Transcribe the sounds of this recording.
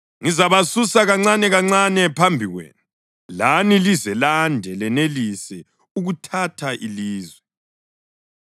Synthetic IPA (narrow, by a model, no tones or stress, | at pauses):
ŋizaβasusaɣaŋ͡ǀanɛɣaŋ͡ǀanɛpʰambʱiɣwḛːnu | lanilizɛlandʱɛlɛnelisɛ | uɣutʰatʰaʔiliːzwɛ